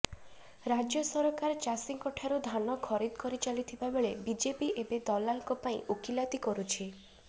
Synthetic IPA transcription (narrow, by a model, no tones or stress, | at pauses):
ɾad͡ʒjɔsɔɾɔkaɾɔt͡ʃasiŋkɔʈʰaɾud̪ʱanɔkʰɔɾid̪kɔɾit͡ʃalit̪ʰibabeɭebid͡ʒepiʔebed̪ɔlaŋkɔpaĩokilat̪ikɔɾut͡ʃʰi